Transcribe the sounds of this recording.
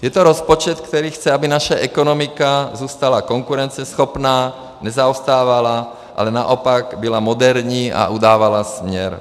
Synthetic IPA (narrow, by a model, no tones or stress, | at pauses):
jɛt̪ɔɾɔspɔt͡ʃɛt̪kt̪ɛɾiːxt͡sɛabinaʃaʔɛkɔnɔmikazuːst̪alakɔŋkuɾɛnt͡sɪɛsxɔpnaː | ɲɛzaɔst̪aːʋala | ʔa̰lɛna̰ʔɔpaɡbilamɔd̪ɛɾɲiːa̰ʔud̪aːʋalasmɪɲɛɾ